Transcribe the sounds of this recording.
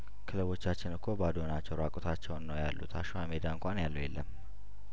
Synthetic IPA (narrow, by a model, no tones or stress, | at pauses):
kʰɨləβo̞t͡ʃːat͡ʃːɪnɨkʰːo̞bad̪o̞nat͡ʃːɛwɾakʼot̪ʰat͡ʃːɛwnːəwjalːṵt̪ʰa̰ʃwamed̪aɨŋkʷʼanjalːəwjelːə̰m